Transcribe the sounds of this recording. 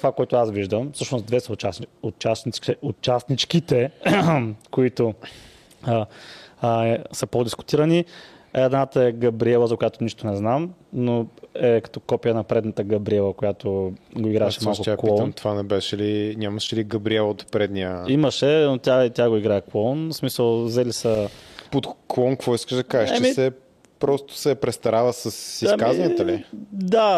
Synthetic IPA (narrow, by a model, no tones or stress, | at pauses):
t̪ovakoɛt̪ʊasviʒd̪əmfsɤʃnosd̪vɛst͡ʃaot͡ʃasnit̪ɛʔʊt͡ʃasnit͡ʃkit̪ɛ | koit̪o | səpod̪iskʊ̥t̪iɾɐni | ɛd̪nat̪əɛɡɐbɾiɛlˠəzɐkʊjat̪ʊniʃt̪ʊnɛznamnoɛkɐ̥t̪ɔkɔpijənɐpɾɛd̪nət̪əɡɐbɾiɛlˠəkojat̪oɡoiɡɾaɛʃɛmalˠkʊt̪aklˠiɔnmt̪ovanɛbɛʃɛlinʲaməʃɛliɡɐbɾiɛlˠot̪pɾɛd̪niəiməʃɛnot̪ʲjait̪ʲaɡoiɡɾaɛklˠɔnsmisəlˠzɛlisəpot̪klˠɔnkvɔiskəʒd̪ɐkaʒɛʃt͡ʃɛt͡ʃɛmisɛ | pɾɔst̪ʊ̥sɛpɾɛst̪ɐɾavəsəsismkazɐnit̪əlid̪a